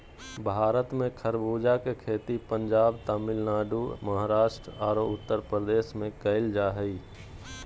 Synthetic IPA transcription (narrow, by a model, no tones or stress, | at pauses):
bʱaːɾət̪mẽkʰəɾbuːd͡ʒakekʰeːt̪ipəɲd͡ʒaːbt̪aːmɪlnaːɖuməɦaɾaːʃʈɾaːɾoʊt̪ːəɾpɾəd̪eːʃmẽkəɪld͡ʒaːɦəiː